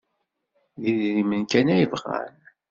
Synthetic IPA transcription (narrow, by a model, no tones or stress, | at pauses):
ðiðɾimənkænæjəvʁa̰n